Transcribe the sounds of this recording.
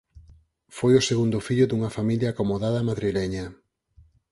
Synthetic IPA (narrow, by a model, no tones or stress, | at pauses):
fojʊseɣund̪ʊfiʎʊðuŋɐfamiljaːkomoðaðɐmaðɾilɛɲɐ